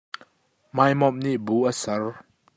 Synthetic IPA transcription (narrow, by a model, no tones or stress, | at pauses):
majmɔm̚niʔbuʔəsɐr